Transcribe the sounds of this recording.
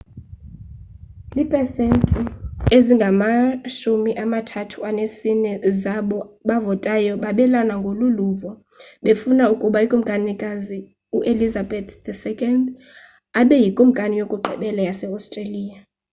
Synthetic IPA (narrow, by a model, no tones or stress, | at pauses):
lipʼɛsentʼieziŋɡʱamaʃumiʔamatʰatʰuanesinɛzaɓɔɓavɔtʼajɔɓaɓɛlanaŋɡʱoluluːvɔ | ɓefunaukʼuɓaikʼum̩kʼanikʼazi | uʔelizabɛt̪dɛsɛkʼɔnd | aɓɛjikʼum̩kʼanijokʼuɡ͡ǃʱɛ̰ɓɛlajasɛastʼreliːja